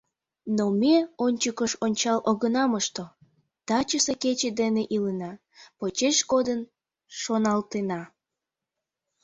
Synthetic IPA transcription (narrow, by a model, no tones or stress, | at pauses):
nomeonʲt͡ɕəkəʃonʲt͡ɕɑlʔoɣənɑməʃt̪o | t̪ɑt͡ɕəseket͡ɕed̪eneʔilənɑ | pot͡ɕeʃɡod̪ən | ʃonɑlt̪enɑ